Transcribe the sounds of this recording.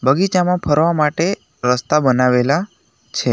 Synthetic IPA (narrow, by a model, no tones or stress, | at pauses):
bəɡit͡ʃamãpʰəɾʋamaʈe | ɾəst̪abənaʋela | t͡ʃʰe